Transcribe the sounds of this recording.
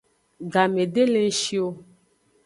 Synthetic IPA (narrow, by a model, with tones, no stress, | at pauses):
ɡa˨mẽ˨ɖe˦le˦ŋ̩˦ʃi˦o˦